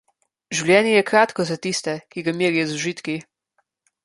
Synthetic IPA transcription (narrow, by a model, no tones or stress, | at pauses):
ʒiwlʲjɛːnijɛkɾaːt̪kɔzat̪ist̪ɛkiɡamiːɾijɔzuʒit̪ki